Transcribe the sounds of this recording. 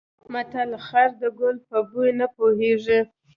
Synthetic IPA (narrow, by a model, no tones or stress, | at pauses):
kmat̪alaxaɾd̪əɡʊlpəbujnapoheʐi